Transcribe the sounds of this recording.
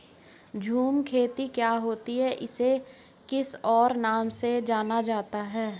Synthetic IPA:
d͡ʒʱuːmkʰeːt̪ikjaːɦoːt̪iɦɛʔɪse | kɪsɔːɾnaːmsed͡ʒaːnad͡ʒaːt̪aɦɛː

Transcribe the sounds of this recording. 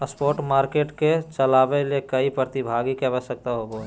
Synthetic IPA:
əspoːɾʈmaːɾkeːʈket͡ʃəlaːbelekəipɾət̪ibʱaɡikebəsək̚t̪aɦoɡo

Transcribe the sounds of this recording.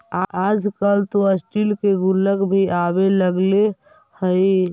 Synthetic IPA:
aːd͡ʒkəlt̪oəsʈilkeɡʊlːəkbʱiʔabeləɡle | həi

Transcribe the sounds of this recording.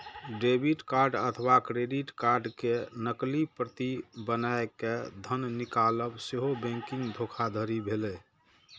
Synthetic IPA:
ɖebʱiʈkaɾɖə̰t̪ʰəbakɾeɖiʈkaɾɖkenəklipɾət̪ibənaeked̪ʱənnikaləbseɦobɛ̃ŋkĩŋɡd̪ʱokʰad̪ʱəɾibʱelɛ

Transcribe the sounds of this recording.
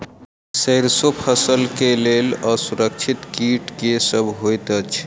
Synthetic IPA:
səjɾsopʰəsəlkeleləsuɾək̚t͡ʃʰit̪kiʈkesəbʱɦojt̪ət͡ʃʰ

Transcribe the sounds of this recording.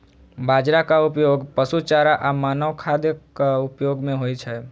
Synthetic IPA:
bʱad͡ʒɾakaupjoɡpəsut͡ʃaɾaʔamanəwkʰad̪jəkːaupjoɡmẽɦojt͡ʃʰɛ

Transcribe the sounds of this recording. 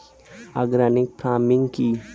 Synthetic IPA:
aɡɾaːnɪk̚pɾaːmɪŋɡki

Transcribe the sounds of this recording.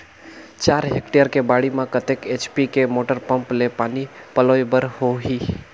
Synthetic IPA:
t͡ʃaːɾɦekʈejəɾkebaːɽimãkət̪eːket͡ʃpikemoːʈəɾpə̃mplepaːnipəloːjbəɾhoɦiː

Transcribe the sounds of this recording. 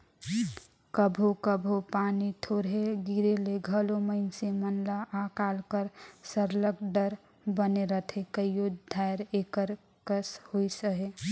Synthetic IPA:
kəbʱokəbʱopaːnit̪ʰoːɾɦeɡiɾeleɡʱəloməɪnsemənlaʔakaːlkəɾsəɾləkɖəɾ | bəneɾət̪ʰekəijod̪ʱajɾekəɾ | kəshoisəɦe

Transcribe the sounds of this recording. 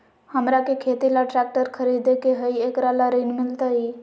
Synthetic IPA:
həmɾakekʰeːt̪ilaʈɾɛk̚ʈəɾkʰəɾiːd̪ekeɦəieːkɾalaɾiːnmɪlt̪aɦiː

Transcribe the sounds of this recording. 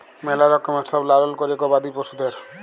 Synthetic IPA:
mɛlaɾɔkːɔmɛsɔblalɔlkɔɾiekɔbad̪iposud̪eɾ

